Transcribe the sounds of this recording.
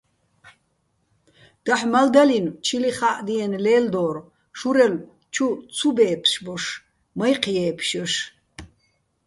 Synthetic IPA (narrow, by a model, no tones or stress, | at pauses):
d̪̥aħmɐld̪ɐlint͡ʃʰiliχaʔd̪iɛnleːld̪oːɾ | ʃuɾɛl | t͡ʃʰut͡sʰubeːpʰʃbɔʂ | mɐjqʰjɛːpʰʃɔʃ